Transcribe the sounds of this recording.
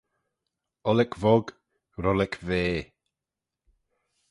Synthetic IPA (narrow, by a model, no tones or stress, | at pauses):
ɔlɛkʰvɔɡ | ɾɔlɛkʰveː